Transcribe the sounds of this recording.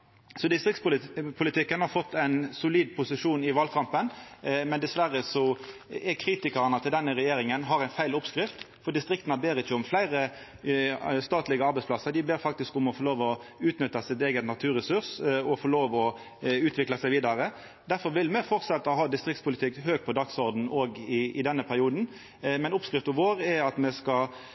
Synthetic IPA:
sɔd̪ɪst̪ɾɪkt̪spʊpʰʊlɪt̪ɪkːənhɑʁfɔt̪ːæɪnsʊliːd̪pʰʊsɪʂuːnɪʋɑlkʰɑmpənmɛnd̪ɛsʋæɾəsɔɛkʰɾiːt̪ɪkɑɾənɑt̪ʰɪld̪ɛnːəʁɛjeːɾɪŋənɦɑʁæɪnfæɪlʊpskɾɪft̪ | fɔd̪ɪst̪ɾɪkt̪nɑbeːɾɪçːəɔmflæɪɾə | st̪ɑːt̪lɪɡəɑɾbɛɪsplɑsːəʁd̪ɪbeːɾfɑk̚t̪ɪskʊmɔfɔloːʋɔʉːt̪nʏt̪ːɑsɪt̪eːɡət̪nɑt̪ʰʉːɾɛsʉɾsɔfɔloːʋɔ | ʉːt̪ʰʋɪklɑsæɪʋiːd̪ɑɾə | d̪æɾfɔɾʋɪlmɛfɔʁt̪sɛt̪ːəɔɦhɑːd̪ɪst̪ʁɪk̚t̪spʰʊlɪt̪ʰɪkhøːɡ̚pʰɔd̪ɑksɔɾd̪n̩oːɡɪɪd̪ɛnːəpʰæɾɪuːd̪n̩ | mɛnʊpskʁɪft̪ɔʋoːɾɛɑt̪mɛskɑ

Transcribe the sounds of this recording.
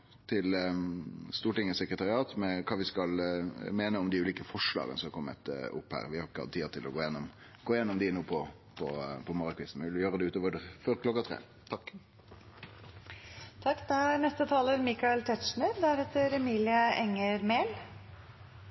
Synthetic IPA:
t̪ʰɪl | st̪uːʈɪŋːəsəkɾət̪ɑʁɪɑːt̪mɛkʰɑːʋɪskɑlmeːnəɔmd̪ɪʉːliːkəfɔʂlɑ̰ːɡənəsɔmɑɾkʰɔmːə̰t̪ʊ̰pːhæ̰ːʁʋɪhɑɾɪkəhɑ̰t̪ʰːiːət̪ʰɪlʔɔɡoːjɛnːɔm | ɡ̥oːɪjɛnːɔmd̪ɪnuːpʰɔ | pʰɔpʰɔmɑɾɑkʰʋɪsn̩ʋɪʋɪljøːɾəd̪ɛʉːt̪oːʋəɖəføɾklɔkːɑt̪ʰʁḛː | t̪ʰɑkː | t̪ʰɑkːd̪ɛæɾnɛst̪ət̪ʰɑːləɾmikɑɛlt̪ʰɛt̪ʂɳəɾd̪æɾɛt̪əɾɛmiːlɪəɛŋːəɾmeːl

